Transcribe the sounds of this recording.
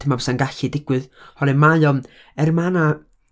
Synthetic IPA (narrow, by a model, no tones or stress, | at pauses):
əmabɛsanɡaɬidɪɡ̥wɨðhɔɾɛmajɔn | ɛrmana